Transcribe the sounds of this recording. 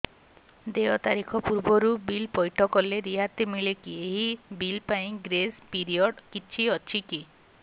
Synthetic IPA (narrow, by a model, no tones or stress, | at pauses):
d̪eɔt̪aɾikʰɔpuɾbɔɾubilpɔjʈʰɔkɔleɾiɦat̪imiɭekieɦibilpaĩɡɾespiɾiɔɖkit͡ʃʰiɔt͡ʃʰiki